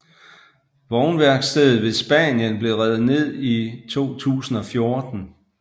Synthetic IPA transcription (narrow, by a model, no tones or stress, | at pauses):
ʋɒʊnʋæɐɡ̥sd̥ɛð̩ˠʋe̝sb̥æ̰njənb̥le̝ʁɛð̩ˠne̝ð̞̰ˠit͡sʰo̝̰ːt͡sʰṵːsn̩ɒ̽fjo̝ɐd̥n̩